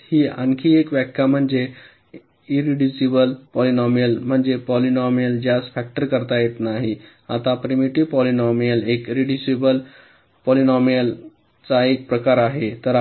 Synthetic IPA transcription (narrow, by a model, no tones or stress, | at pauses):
hiːa̰ŋkʰiːekʋɛkʰjam̤əɳd͡ze | iɾiɖisibəlpɔlinɔmjəlm̤əɳd͡zepɔlinɔmjəld͡ʑjasfɛk̚ʈəɾkəɾt̪ajet̪naɦi | at̪apɾimiʈiʋpɔlinɔmijəlekiɾiɖisibəl | pɔlinɔmijəl | t͡saek̚pɾəkaɾaɦet̪əɾ